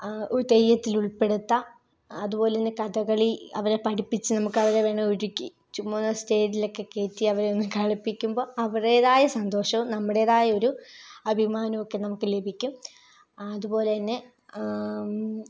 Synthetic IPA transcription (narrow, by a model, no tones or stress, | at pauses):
oɾut̪ejːɐt̪ːiluɭpe̞ɽut̪ːɐː | ðupo̞ːleɐnːekɐdɐɣɐɭiɐ̰ʋɐɾepɐɽipːit͡ɕːɨnɐmukːɐʋɐɾeʋe̞ːɳɐuɽikʲːi | t͡ɕumːoːnːɐste̞ːɾilo̞kːe̞ke̞ːtːiɐʋɐɾeonːumkɐɭipːikʲːumbo̞ːɐʋɐrejðaːjɐsɐnd̪o̞ːʂɐʋumnɐmːɐɽe̞ːðaːjɐo̞ɾuɐbʱimaːnɐmokːe̞nɐmukːɨle̞bʱikʲːum | ɐðubo̞ːle̞ɐnːe̞